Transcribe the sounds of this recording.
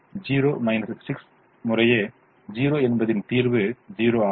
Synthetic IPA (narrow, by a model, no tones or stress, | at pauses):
d͡ʒiːɾoːmɐjnɐsːiks | mʊɾɐje | d͡ʒiːɾoːenbɐðint̪iːɾbɯd͡ʒiːɾoːa